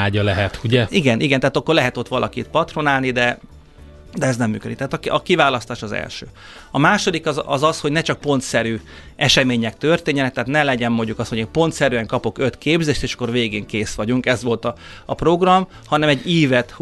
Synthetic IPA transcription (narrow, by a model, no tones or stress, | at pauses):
aːɟɒlɛɦɛt̪uɟɛiɡɛnʔiɡɛnt̪ɛɦaːt̪ɒkːo̞rlɛɦɛt̪o̞t̪ʋɒlʔɒ̰kit̪pɒt̪ro̞naːlnid̪ɛ | d̪ɛɛznɛmːyːkød̪ik̚t̪ɛɦːt̪ɒkɒkivaːlɒst̪aːʃɒzɛ̰lʃø̰ː | ɒmaːʃo̞d̪ikɒɒ̰zɒsho̞ɟnɛt͡ʃɒk̚po̞nt̪sɛɾyː | ɛʃɛmeːɲɛk̚t̪ø̞rt̪eːɲːɛnɛkt̪ɛɦːt̪nɛlɛɟɛmmo̞ɲɟukɒsho̞ɟeːnpo̞nt̪sɛɾyɛŋkɒpo̞kø̞t̪keːbzeːʃt̪eːʃɒ̥kːo̞rveːɡeːŋkeːsʋɒɟuŋkɛzʋo̞lt̪ɒːpro̞ɡrɒm | hɒnɛmɛɟːiːvɛt̪